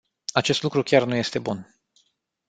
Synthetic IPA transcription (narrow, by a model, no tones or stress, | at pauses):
at͡ʃe̞st̪lukɾukʲarnuje̞st̪e̞bun